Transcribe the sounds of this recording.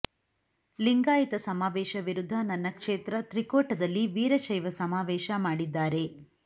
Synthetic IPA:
liŋɡaːjit̪ɐsɐmaːʋɛːʃɐʋiɾud̪ʱːɐnɐnːɐkʂeːt̪ɾɐt̪ɾikoːʈɐd̪ɐlːiʋiːɾɐʃɐjʋɐsɐmaːʋɛːʃɐmaːɽid̪ːaːɾe

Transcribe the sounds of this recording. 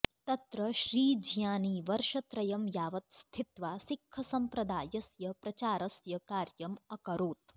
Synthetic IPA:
t̪ɐt̪ɾɐʃɾiːd͡ʒjaːniːʋɐɾʃɐt̪ɾɐjɐmjaːʋɐt̪st̪ʰit̪ʋaːsikʰːɐsɐmpɾɐd̪aːjɐsjɐpɾɐt͡ʃaːɾɐsjɐkaːɾjɐmɐkɐɾuːt̪

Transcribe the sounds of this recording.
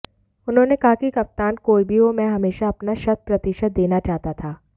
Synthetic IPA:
ʊnɦõːnekaːkikɐp̚t̪aːnkoːibʱiomɛ̃ɦɐmeːʃaɐpnaʃɐt̪̚pɾɐt̪ɪʃət̪̚d̪eːnat͡ʃaːɦt̪at̪ʰaː

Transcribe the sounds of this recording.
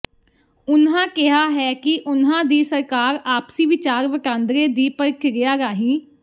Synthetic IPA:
ʊnɦãːkɪɦaːɦɛːkɪʔʊnãːd̪iːsəɾkaːɾaːpsiːʋɪt͡ʃaːɾʋəʈãːnd̪ɾeːd̪iːpəɾkʰɡɪjaːɾaːɦĩː

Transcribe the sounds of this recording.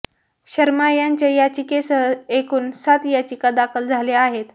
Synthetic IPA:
ɕəɾmajaɲt͡ɕajat͡ɕikesəɦəekʰuːnsat̪jat͡ɕikad̪akʰəld͡zʱaleaɦet̪

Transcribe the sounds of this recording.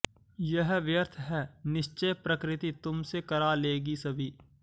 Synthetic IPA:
jɐɦʋjəɾt̪ʰɦɛːnɪʃt͡ʃejpɾɐkɾɪt̪it̪ʊmsekɐɾaleːɡisɐbʱiː

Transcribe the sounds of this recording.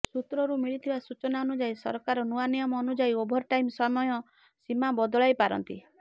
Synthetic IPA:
sut̪ɾɔɾumiɭit̪ʰibasut͡ʃɔnaɔnud͡ʒaisɔ̰ɾkaɾɔnuanijɔmɔːnud͡ʒaiobʱɔɾʈaimsɔmɔjɔ | simabɔd̪ɔɭajpaɾɔ̰nt̪ḭ

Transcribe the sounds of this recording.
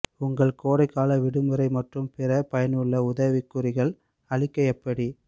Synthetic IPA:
ʊŋɡɐɭkoːɽɐɪkːaːlɐʋɪɽɯmɯɾɐɪmɐʈrɯmpɪrɐpɐjɐnɯɭːɐʊðɐʋɪkːɯɾɪɣɐɭ | ɐɭɪkːɐɛpːɐɽi

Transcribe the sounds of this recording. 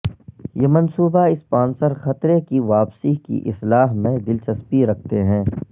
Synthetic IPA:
jeːmɐnsuːbaɪspaːnsəɾxɐt̪ɾekiʋaːpsikḭʔɪ̰slaːɦmẽd̪ɪlt͡ʃɐspiɾɐk̚ʰt̪eɦɛ̃ː

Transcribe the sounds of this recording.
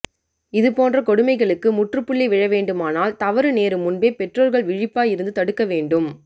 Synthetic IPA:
ɪðɯpoːndrɐkɔɽɯmɐɪɣɐɭɯkːɯmʊʈrɯpːɯɭːiʋɪɻɐʋeːɳɖɯmaːnaːlt̪ɐʋɐɾɯneːɾɯmʊnbeːpɛʈroːɾɣɐɭʋɪɻɪpːaːjɪɾɯnd̪ɯt̪ɐɽɯkːɐʋeːɳɖɯm

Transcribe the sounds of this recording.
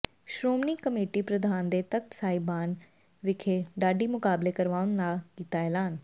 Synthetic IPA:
ʃɾoːmniːkəmeːʈiːpɾəd̪ʱaːnd̪eːt̪ək̚t̪saːibaːn | ʋɪkʰeːɖaːɖiːmʊkaːbleːkəɾʋaːʊnd̪aːkiːt̪aːɛːlaːn

